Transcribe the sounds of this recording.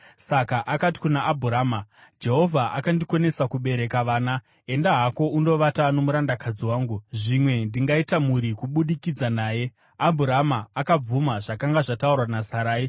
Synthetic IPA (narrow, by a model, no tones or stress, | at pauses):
sakaʔakati̥kunaʔːbʱuɾaːmad͡ʒe̞ɦo̞vʱaʔakandiko̞ne̞sakuɓe̞ɾe̞kaʋaːna | e̞ndaɦako̞undo̞ʋatano̞muɾandakʰad͡ziwaːŋɡuʐimwe̞ndiŋɡaitamuɾikuɓuɗikid͡zanaːje̞ | abʱuɾamaakab͡vumaʐakaŋɡaʐataurwanasaɾaːi